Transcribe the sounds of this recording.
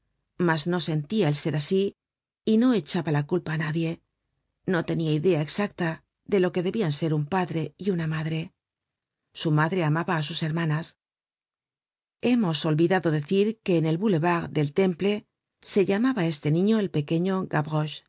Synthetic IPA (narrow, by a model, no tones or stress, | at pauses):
mazno̞se̞nt̪iaelse̞ɾasiː | no̞e̞t͡ʃaβalakulpaːnaðje̞ | no̞t̪e̞niaiðe̞aeksakt̪a | ðe̞lo̞ke̞ðe̞βianse̞ɾumpaðɾe̞iunamaðɾe̞ | sumaðɾe̞amaβaːsuse̞ɾmãnas | e̞mo̞so̞lβiðaðo̞ðe̞θiɾke̞ːne̞lβule̞βaɣd̪e̞lt̪e̞mple̞ | se̞ʎamaβae̞st̪e̞nĩɲo̞e̞lpe̞ke̞ɲo̞ɣaβʁoʃ